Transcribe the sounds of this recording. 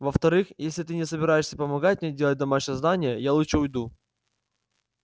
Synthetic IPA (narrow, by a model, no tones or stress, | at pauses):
vəft̪ɐɾɨxjesʲlʲɪt̪ɨnʲɪsəbʲɪɾajɪʂsʲəpəmɐɡat̚ʲmʲedʲelˠət̚ʲd̪ɐmaʂnəznanʲɪjəjalˠutt͡ʂʂəʊjd̪u